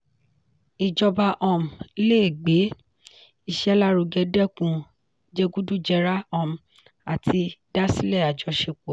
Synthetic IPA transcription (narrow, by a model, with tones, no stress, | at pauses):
i˨d͡ʒɔ˧ba˧ʔɔ̃˧˨m̩˨˧˦le˦˨ɡ͡be˨˦ | i˧˨ʃɛ˧˦la˦ɾu˨˧ɡɛ˧dɛ˦˨kũ˧ | d͡ʒe˧ɡu˦du˦d͡ʒɛ˧ɾa˦ɔ̃˧˨m̩˨ | a˨tʰi˧da˦si˦lɛ˦˨a˨d͡ʒɔ˧ʃe˧k͡po˨